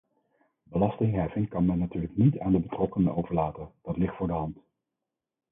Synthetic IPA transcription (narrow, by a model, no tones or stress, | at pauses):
bəlɑstɪŋɦɛfɪŋkɑnmɛnːatyːɹləknitaːndəbətrɔkənənowvəɹlaːtənd̥ɑtlɪχtfʊːɹdəɦɑnt